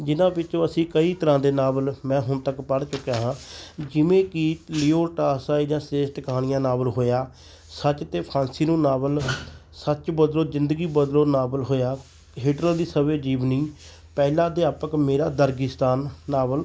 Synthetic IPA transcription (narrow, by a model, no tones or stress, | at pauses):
d͡ʒɪnãːpɪːt͡ʃõːəsĩːkəiːt̪əɾãːd̪eːnaːbəlmɛ̃ːɦʊnt̪əkpəɽt͡ʃʊkːjaːɦãːd͡ʒɪʋẽːkɪliːoːʈaːsaːid̪jãːseːsʈ̪kəɦaːñɪjãːnaːbəlɦoːjaː | sət͡ʃt̪eːpʰaːnsiːnũːnaːbəl | sət͡ʃbəd̪loːzɪnd̪əɡiːbəd̪loːnaːbəlɦoːjaː | ɦɪːʈɾəld̪iːsəʋeːd͡ʒiːʋniː | pɛːlãːd̪eːaːpəkmeːɾaːd̪əɾɡɪst̪aːnːaːbəl